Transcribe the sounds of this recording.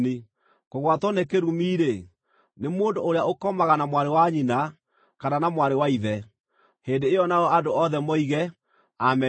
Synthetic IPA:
ni | koɣwatwɔnekeɾumiːɾe | nemoːndoːɾeaokɔmaɣanamwaɾewaɲina | kananamwaɾewaiðɛ | heːndeːjɔnaɔadoɔðɛmɔiɣɛ | amɛ

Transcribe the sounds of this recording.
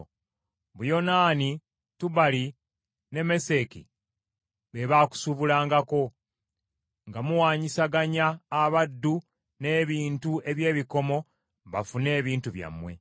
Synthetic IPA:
βujo̞naːni | tuβali | ne̞me̞se̞kḭ | βeβaːku̥suβulaːŋɡako̞ | ŋɡamuwaːɲisaɡaɲaːβadːu | ne̞ːβiːntue̞βje̞ːβiko̞mo̞ | βafune̞ːβiːntuβja̰mːwe̞̰

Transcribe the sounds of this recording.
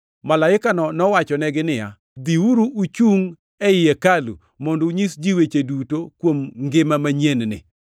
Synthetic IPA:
malaɪkanɔnɔwat͡ʃɔnɛɡɪnɪja̰ | d̪iwuɾuʔut͡ʃuŋ | ɛɪjekalṵ | mɔnduɲisd͡ʒiwet͡ʃedutokwomŋɡɪmamaɲennɪ̰

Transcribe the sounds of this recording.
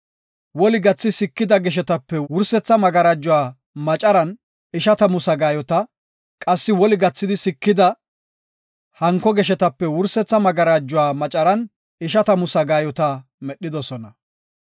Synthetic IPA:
wɔlɪɡɐt͡sːɪsɪkːɪd̪ɐɡɛʃ̬ɛt̪ɐpːɛwʊɾsɛt͡sːɐmɐɡɐɾaːd͡ʒːʊwaː | mɐt͡ʃʼɐɾɐn | ɪʃɐt̪ɐmʊsɐɡaːjɔt̪ɐ | kʼɐsːɪwɔlɪɡɐt͡sːɪd̪ɪsɪkːɪd̪ɐ | hɐŋkːɔɡɛʃɛt̪ɐpːɛwʊɾsɛt͡sːɐmɐɡɐɾaːd͡ʒːʊwaːmɐt͡ʃʼɐɾɐn | ɪʃ̬ɐt̪ɐmʊsɐɡaːjɔt̪ɐ | mɛɗːɪd̪ɔsɔnɐ

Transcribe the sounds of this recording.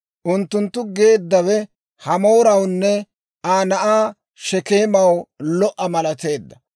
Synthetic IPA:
ʔʊnt̪ːʊnt̪ːʊɡe̞ːd̪ːɐwɛ | hɐmoːɾɐwnːɛ | aːnɐʔaː | ʃɛke̞ːmɐwlɔʔːɐmɐlɐt̪e̞ːd̪ːɐ

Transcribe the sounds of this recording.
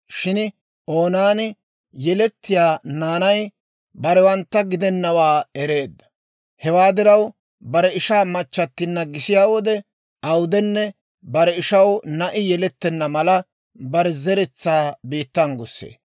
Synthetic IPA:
ʃɪn | o̞ːnaːnɪ | jɛlɛt̪ːɪjaːnaːnɐj | bɐɾɛwɐnt̪ːɐɡɪd̪ɛnːɐwaːɛɾe̞ːd̪ːɐ̥ | hɛwaːd̪ɪɾɐw | bɐɾɛɪʃaːmɐt͡ʃːɐt̪ːɪnːɐɡɪsɪjaːwɔd̪ɛ | ɐwʊd̪ɛnːɛ | bɐɾɛɪʃɐwnɐʔɪjɛlɛt̪ːɛnːɐmɐlɐ | bɐɾɛzɛɾɛt͡sːaːbiːt̪ːɐŋɡʊsːḛː

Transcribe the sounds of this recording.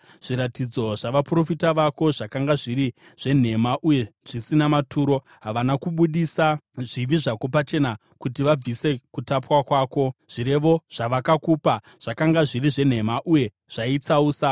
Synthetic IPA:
ʐ̥iɾatid͡zo̞ʐaʋapro̞fitaʋako̞ʐakaŋɡaʐiɾi | ʐ̥e̞n̤e̞maʔuje̞ʐisinamatʰuːɾo̞ | ɦaʋanakuɓuɗisaʐiʋiʐako̞pat͡ʃe̞na | kutiʋab͡vise̞kutapwakwaːko̞ʐ̥iɾe̞ʋo̞ʐ̥aʋakakuːpa | ʐ̥akaŋɡaʐiriʐe̞n̤e̞maʔuje̞ | ʐ̥ait͡sauːsa

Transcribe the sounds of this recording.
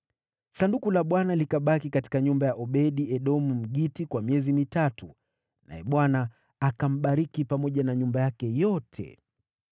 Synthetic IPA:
sandukulaɓwanalikaɓakikati̥kaɲumbajaʔɔɓɛɗiɛɗɔmum̩ɠitikwamiɛzimitatu | nʔa̰jɛɓwanaː | kam̩ɓaɾikipamɔʄanaɲumbajakɛjɔtʰɛ̰

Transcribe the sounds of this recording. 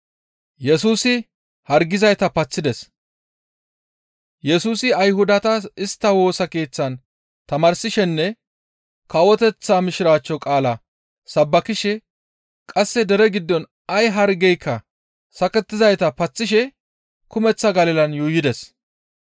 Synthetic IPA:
jɛsuːsɪ | hɐɾɡɪzɐjt̪ɐpɐt͡sːɪd̪ɛs | jɛsuːsɪɐjɦʊd̪ɐt̪ɐɪst̪ːɐwo̞ːsɐke̞ːt͡sːɐn | t̪ɐmɐːɾsɪʃɛnːɛ | kɐwɔt̪ɛt͡sːaːmɪʃɪɾaːt͡ʃːɔkʼaːlɐ | sɐbːɐkɪʃɛ | kʼɐsːɛd̪ɛɾɛɡɪd̪ːɔn | ɐjɦɐɾɡɛjkːɐ | sɐkɛt̪ːɪzɐjt̪ɐpɐt͡sːɪʃ̬ɛ | kʊmɛt͡sːɐɡɐlɪlɐnjuːjɪd̪ɛs

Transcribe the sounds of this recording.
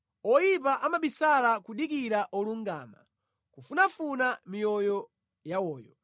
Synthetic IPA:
ɔjipaʔamaɓisalakuɗikiɾaʔɔluŋɡa̰ːma̰ | kufunafunamijɔjɔ | jawɔːjɔ

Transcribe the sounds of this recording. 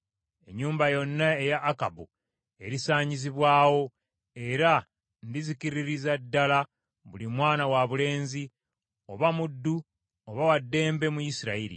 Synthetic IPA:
e̞̰ɲːuːmbajo̞nːae̞jaʔːkabu | e̞ɾisaːɲiziβwaːwo̞ | e̞ɾa | ndiziciɾiɾizadːala | βulimwaːnawaβule̞ːnzi | o̞βamudːu | oβawadːe̞ːmbe̞mujisiɾaiɾḭ

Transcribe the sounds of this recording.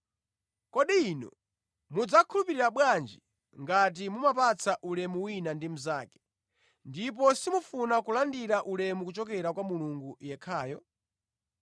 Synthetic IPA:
kɔɗiːnɔ̰ | mud͡zakʰulupiɾiɾaɓwand͡ʒi | ŋɡat̬imumapat͡sʰaʔulɛmuwinandim̩zaːkɛ̥ | ndip̬ɔsimufunakulandiɾaʔulɛmukut͡ʃɔk̬ɛɾakwamuluŋɡujɛkʰaːjɔ

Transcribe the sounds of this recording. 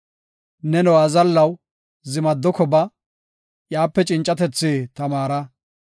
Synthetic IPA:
nɛnɔwɐzɐlːɐw | zɪmɐd̪ːɔkɔbɐ | jaːpːɛt͡ʃʼɪnt͡ʃʼːɐt̪ɛt͡sːeːt̪ɐmaːɾɐ

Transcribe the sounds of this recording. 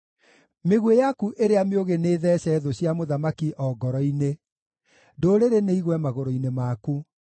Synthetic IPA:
meɣwejakuʔeɾeameoɣeneːðɛːɕɛðoɕjamoðamakiʔɔɡɔɾɔine | doːɾeɾeneiɣwɛmaɣoɾoinemaku

